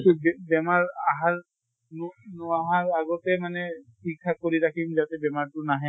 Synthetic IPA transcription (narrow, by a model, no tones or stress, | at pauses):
tubɛbɛmaɹaɦaɹ | nunuaɦaɹaɡɔtɛmanɛtʰik̚tʰak̚kːoɹiɾakʰimzatɛbɛmaɹtʊnaɦɛ̃